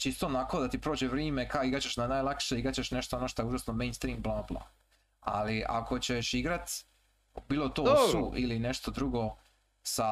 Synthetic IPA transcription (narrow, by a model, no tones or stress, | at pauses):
t͡ʃist̪oːnako̞d̪at̪ipɾo̞ːd͡ʑeʋɾiːmekaiɡɾat͡ɕe̞ʃnanaːjlˠakʃeiɡɾat͡ɕeʃneʃt̪oonoʃt̪ojuʒasnome̞jnst̪ɾiːmblˠaplˠa̰ | a̰liʔa̰ko̞t͡ɕeʃiɡɾat̪ | biːlˠot̪o̞ssuʔiline̞ʃt̪od̪ɾuɡo̞ | sa